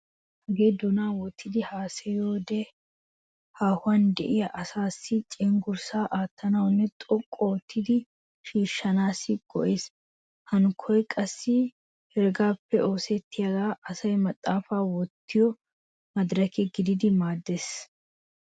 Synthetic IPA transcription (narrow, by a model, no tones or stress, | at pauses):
hɐɡeːd̪ɔnaːwɔt̪ʰːɪd̪ɪhaːsɛjoːd̪ɛ | haːhʊɐnd̪ɛʔɪjɐʔɐsaːsːɪt͡ʃʼɛːŋɡʊɾsaːʔaːt̪ːɐnɐwɔnːɛt̪ʼɔkʼːoːt̪ʰːɪd̪ɪ | ʃiːʃːɐnaːsɪɡɔ̰ʔe̞ːs | hɐnʊkʰɔjkʼɐsːɪ | hɛɾɡaːpːɛʔo̞ːsɛt̪ʰːɪjɐɡaːʔɐsɐjmɐt̪ʼːaːfaːwɔt̪ʰːɪjɔ | mɐd̪ɾɐkɛɡɪd̪ɪd̪ɪmaːd̪ːeːs